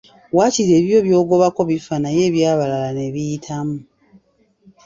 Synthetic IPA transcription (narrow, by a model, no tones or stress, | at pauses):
waːciɾe̞ːβjo̞βjo̞ːɡo̞βako̞βifanaje̞ːβjaːβalalane̞βijitʰamu